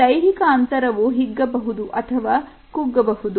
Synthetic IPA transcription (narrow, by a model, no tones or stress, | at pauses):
ɐjɦikɐːnt̪ɐɾɐʋuɦiɡːɐbɐɦud̪uʔɐt̪ʰɐʋaː | kuɡːɐbɐɦud̪u